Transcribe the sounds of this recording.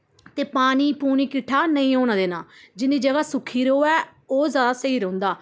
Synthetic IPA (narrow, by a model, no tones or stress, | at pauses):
t̪eːpaːniːpuːniːkɪʈʰːaːnəĩːoːñãːd̪eːnaːd͡ʒɪnd̪iːd͡ʒəɡaːsʊkʰiːɾoːɛː | oːzjaːd̪aːsəiːɾə̃ʊ̃nd̪aː